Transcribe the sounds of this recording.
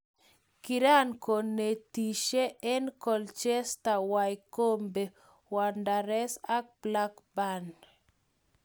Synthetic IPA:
kiɾa˦nko˨nːe˨ti˨ʃe˦ɛ˦nkɔ˨lt͡ʃɛ˦sta˨wajko˦mbe˨ | wa˨ndaɾɛ˦sa˦k̚bla˦kban

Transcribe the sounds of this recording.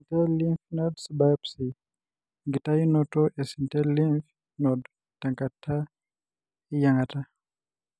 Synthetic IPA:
i˨ntɛ˦li˦nfnɔdsibapsi˨ | ŋɡi˨ta˦i˦nɔtɔ˦ʔɛ˨si˨ntɛ˦li˦nf | nɔd | ta˨ŋka˨tʰːa˦ | i˦ja˨ŋɡa˨ta˦

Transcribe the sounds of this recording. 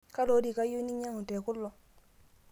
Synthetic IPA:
ka˦lo˦di˨ka˦ju˦ni˦ɲa˦ŋu˨tɛ˨ku˦lːo˨

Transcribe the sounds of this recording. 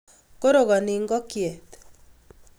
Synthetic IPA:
ko˦ɾo˨ɣɔ˨nɪ˨ŋɡɔ˦kjɛ˨t̪

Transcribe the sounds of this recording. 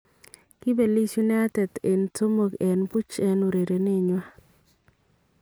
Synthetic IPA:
kɪ˦be˨li˦sju˦na˦a˦tɛ˨t̪e˨nto˦mo˨ɡɛ˨npu˦t͡ʃɛ˦no˨ɾe˨ɾe˨ne˦˨ɲwa˦

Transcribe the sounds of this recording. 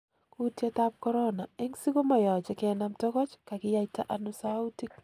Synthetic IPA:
kutja˦tap̚kɔ˦ɾɔna˨ɛ˦ŋsi˦ko˦ma˨jɔ˨t͡ʃɛ˨kɛ˨namtɔ˦kɔ˦t͡ʃka˨kɪ˦ja˦ta˦ʔa˨nusau˦tik

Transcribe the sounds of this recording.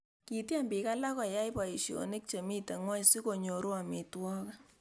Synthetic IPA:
ki˨tja˦mbi˨ka˦la˦kɔ˨ja˦jpa˨i˨ʃjo̰˨ni˦k̚t͡ʃe˨mi˦te˨ŋwa˦jsi˦ko˨ɲo˨ɾu˦a˨mi˨twɔ˦ka˦

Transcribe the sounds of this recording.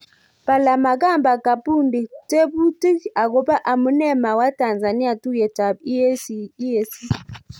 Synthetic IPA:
pa˨la˨ma˨ka˦˨mba˨ka˨pu˦˨ndi˨te˦bu˦ti˦ka˨ɡo˦ba˦ʔa˨mu˦nɛ˦˨ma˨wa˦ta˨nza˨ni˦a˨tu˦jɛ˨ta˨b̚i˦e˦si˦˨i˦e˦si˦

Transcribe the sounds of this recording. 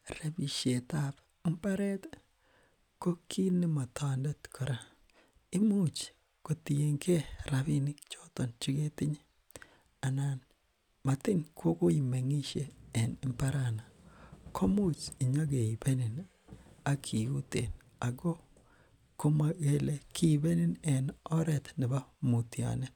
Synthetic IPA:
ɾe˦bi˨ʃe˨ta˦p | mpa˦ɾɛ˦t | ko˦kʰi˦nɪ˦ma˨ta˨nde˦tkʰɔ˨ɾa˨ | ɪ˦mu˦t͡ʃ | ko˨ti˨je˨ŋke˦ɾa˨bi˦nɪ˦kt͡ʃo˦tɔ˨nt͡ʃɪ˦ɡe˦tɪ˦ɲe˦ | a˨na˨n | ma˨tɪ˦ŋkʰo˦ko˦i˨me˨ŋi˦ʃe˨ɛ˨nɪ˦mpa˦ɾa˨na˨kʰo˦mu˦t͡ʃɪ˨ɲɔ˦ɡe˨i˨be˦nɪ˨n | a˨kʰi˨u˦tḛ˨n | a˨ɡɔ˦ | ko˦ma˨ɣe˦˨le˨kɪ˦˨be˦nɪ˦nɛ˨nɔ˦ɾɛ˨t̪nɪ˨ba˦mu˨ti˨a̰˨nɛ˦

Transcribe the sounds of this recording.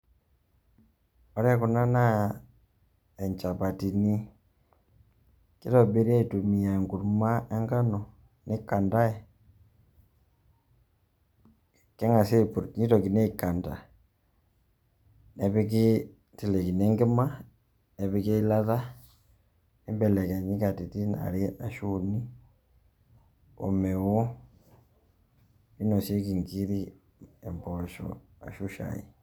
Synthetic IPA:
o˦ɾa˦ku˨na˦na˦ | e˨ɲt͡ʃa˨pa˨ti˨ni˦ | ki˦to˨be˦ɾi˦a˦i˨tu˨mi˨a˨ŋɡu˨ɾuma˦e˦ŋɡa˦no˨ | ne˦ka˨nda˦e˨ | ke˦ŋa˨se˦i˨pu˨ɾni˦to˨ki˨ne˦i˨ka˨nda˨ | ne˨βi˦k̬e˦ | ti˨le˨ki˨ne˦ŋɡe˦ma˦ | ne˨βi˦ke˦i˦la˦ða˦ | e˦mbɛ˨lɛ˨kɛ˨ɲi˦ka˨ti˨ti˦na̰˨ɾi˦a˨ʃuni˦ | o̰˨mɛ˨wɔ˦ | i˦no˨sje˦ki˨ŋɡi˦ɾi˦ | ɛ˨mbɔ˨ʃɔ̰ | a̰˨ʃu˦ʃa̰˨ḭ˨

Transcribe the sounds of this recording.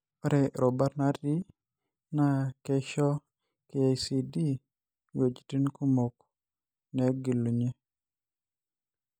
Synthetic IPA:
pa˦ɾɛ˨ɾo˨ba˦ɾna˦ɾdi˦ | na˦ke˦ʃɔ˦ | ke˨a˨jsi˨di˦ | wo˨d͡ʒi̥˨ti˦nku˦mo˨k̚ | ne˨˦ɡi˨lːu˨ɲe˦

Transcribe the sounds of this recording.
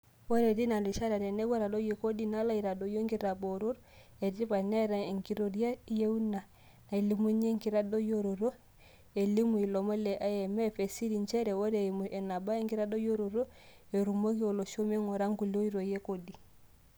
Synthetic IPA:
wo˦ɾe˨ti˦na˨li˨ʃa˦ɾa˨ɾɛ˨nɛ˦ɡwa˦ɾa˨do˦je˨ko˦di˦na˦la˦i˨ɾa˨do˨jo˦ŋɡi˦ɾa˨bo˨ɾo˦ɾ | e˨ti˦pa˨nɛ˦ɾa˨e˨ŋki˦ɾo˨ɾa˦je˦u˦na˨ | na˨i˨li˨mu˦ɲe˦ŋki˦ɾa˦do˦jo˦ɾo˨ɾo˦ | e˨li˦mu˨i˨lɔ˨mɔ˦lɛ˨ʔa˦jɛ˨mɛ˦˨fe˨si˦ɾi˨nt͡ʃɛ˦ɾɛ˨wo˦ɾe˨mu˨ʔɛ˨na˨ba˦e˦ŋɡi˦ɾa˦do˦jo˦ɾo˨ɾo˦e˨ɾu˨mo˦ki˦o˨lo˨ʃo˦me˦ŋo˨ɾa˦ŋku˨lo˦i˦ɾo˨je˦ko˦di˨

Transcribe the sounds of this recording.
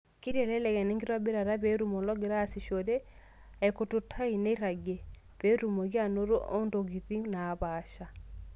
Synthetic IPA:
ki˦ɾjɛ˨lɛ˦lɛ˨ɣɛ˨nɛ˦ŋɡi˦ɾwa˦be˦ɾa˨ɾa˦βe˨ɾu˨mɔ˨lɔ˦ɡe˨ɾaː˦˨si˨ʃɔ˨ɾɛ˦ | ɛ˨ko˨tu˨tʰa˦i˨ne˦i˦ɾa˨ɡɛ˨ | βe˨˦ɾu˨mo˨ɣi˦a˦no˦ɾo˦ʔɔ˦ndo˨ɣi˨ði˦na˨βaʃa˨

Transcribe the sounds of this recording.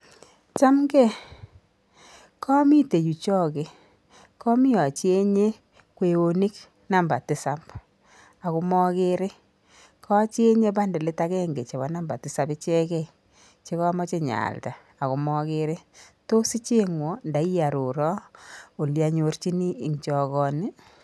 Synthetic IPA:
t͡ʃa˦mɡe˦˨ | kʰɔ˦mi˦te˨ju˨t͡ʃɔ˦ke˨ | kɔ˦mi˦jɔ˨t͡ʃi˦e˦ɲe˦ | kwe˨o˨ni˦k | na˨mba˨tɪ˨sa˦p | a˨ku˧mɔ˦ke˦ɾe˦ | kʰɔ˦t͡ʃe˦ɲe˦ba˦nde˨le˦ta˦kɛ˦ŋɡe˨t͡ʃe˨βa˨˦na˦mba̰˨tɪ˨sa˦bɪ˦t͡ʃɛ˦kɛ˦ | t͡ʃe˦kɔ˦ma˦t͡ʃe˦ɲa̰˨lta˨ | a˨ku˨mɔ˦ke˦ɾe˦to˦si˦t͡ʃe˦ŋwɔ˨nda˨˦i˦ja˨ɾo˨ɾɔ˦o˨lja˨ɲo˨rt͡ʃi˦niː˦˨ŋt͡ʃɔ˨kɔ˨ni˦

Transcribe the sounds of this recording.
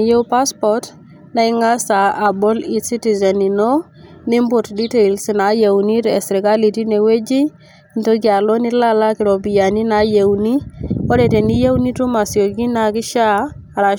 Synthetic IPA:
je˦wpa˦spɔt | na˦ɪ˦ŋa˦sa˨ʔːbɔ˦li˦tsi˦ti˨zɛ˨ni˨no˦ | nɪ˦mbo˨tdi˦te˨lsna˨je˨wni˦tɛ˨sɾi˨ɡa˦li˨ti˦ne˨we˦d͡ʒi˦˨ | nto˦ɡi˦a˨lo˦nɪ˦la˦la˦kɪ˨ɾo˨bi˨ja˨ni˦na˨˦je˨wni˦ɔ˦dɛ˨te˨ni˦je˦wni˦tu˦ma˨si˨o˨ɡi˦na˨kɪ˦ʃa˦˨ | ɾa˨

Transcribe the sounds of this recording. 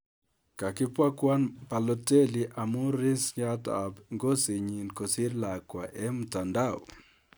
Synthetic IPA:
ka˨kɪ˦pwa˦kwa˦npa˨lɔ˦te˦li˨ʔa˨mu˦ɾɪ˦st͡ʃa˦ta̰˨bŋɡo˦si˨ɲi˨nko˨si˦ɾla˨kwa˨ʔɛ˦mu˨ta˨nda˦˨o̰˨

